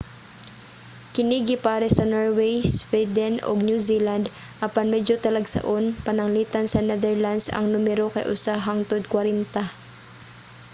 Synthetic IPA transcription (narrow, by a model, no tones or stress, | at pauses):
kɪniːɡɪpaːɾɛsɐnoɹwɛjswɛd̪ɛnʔo̰ɡ̚njusiːland̪ | ʔɐpanmɛd͡ʒot̪ɐlɐɡsɐ̰ʔonpɐnɐŋliːt̪ɐnsɐnɛðɛɹlansɐ̰ŋnʊmɛɾokɐ̰jʔʊ̰saɦɐŋt̪od̪̚kwɐɾɛnt̪a